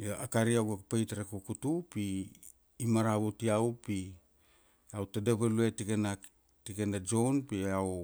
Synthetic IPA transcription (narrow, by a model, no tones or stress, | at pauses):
aakaɾiawɡakpajtaɾakukutupiː | maɾaβutiawpi | awtadaβaluetikena | tikenad͡ʒo̞npiaw